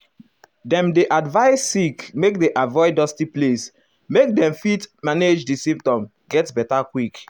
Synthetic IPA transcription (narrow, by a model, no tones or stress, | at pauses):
dɛ̃mdeʔadvaɪsːikmek̚deʔavɔɪdɔstiples | mek̚dɛ̃mfitmaned͡ʒdisĩmp̚tɔ̃m | ɡɛtbɛtakwik